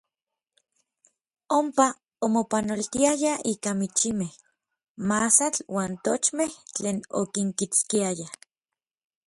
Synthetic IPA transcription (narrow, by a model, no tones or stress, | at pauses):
ompa | omopanolt̪iajaiːkamit͡ʃimeh | masat͡ɬwaːnt̪ot͡ʃmeht͡ɬeːno̰kiŋkit͡skiaja